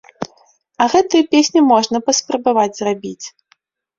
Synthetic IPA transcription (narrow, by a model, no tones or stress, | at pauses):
ɐɣɛt̪ɨjɐpʲesʲnʲimɔʐnɐpɐspɾɐbavad͡zʲzrabʲit͡sʲ